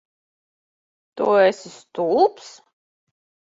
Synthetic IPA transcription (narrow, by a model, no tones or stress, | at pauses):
t̪oɛsist̪ulps